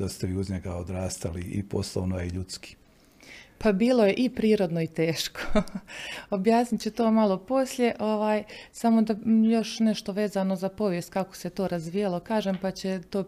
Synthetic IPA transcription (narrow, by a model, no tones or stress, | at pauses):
d̪ast̪eʋiːuzɲeɡaod̪ɾaːst̪aliʔḭposlˠoʋnojeiʎut̪ski̥ | pabiːlˠo̞je̞ʔipɾiːɾo̞d̪no̞it̪e̞ːʃko̥ | objaːsnit̪t͡ɕet̪oːmalˠo̞po̞sʎʲe̞ʔo̞ʋaːjsamo̞d̪ajo̞ʃne̞ʃt̪oʋe̞ːzano̞zapo̞ʋjest̪̚kako̥set̪o̞ːɾazʋiːjalˠo̞kaːʒeːmpat͡ɕe̞t̪oː